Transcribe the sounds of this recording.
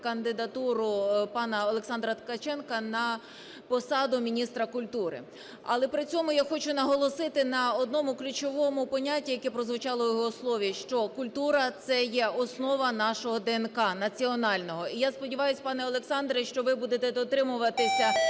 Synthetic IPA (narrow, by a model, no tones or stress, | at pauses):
kɐnd̪ɪd̪ɐt̪uɾʊpɑnɐɔlˠeksɑnd̪ɾɐt̪kɐt͡ʃɛnkɐnɐ | pɔsɑd̪ʊmʲinʲist̪ɾɐkʊlʲt̪uɾɪ̰ | ɐ̰lˠɛpɾɪt͡sʲɔmʊjaxɔt͡ʃʊnɐɦɔlˠɔsɪt̪ɪnɐɔd̪nɔmʊklʲʊt͡ʃɔʋɔmʊpɔnʲatʲːijɐkɛpɾɔzʋʊt͡ʃɑlˠɔjɔɦɔslˠɔʋʲiʃt͡ʃɔkʊlʲt̪uɾɐt̪sɛjɛɔsnɔʋɐnɑʃɔɦɔd̪ɛɛnkɑnɐt͡sʲiɔnɑlʲnɔɦɔijaspɔdʲiʋɑjʊsʲpɑnɛɔlˠeksɑnd̪ɾɛʃt͡ʃɔʋɪbud̪et̪ɛd̪ɔt̪ɾɪmʊʋɐt̪ɪsʲɐ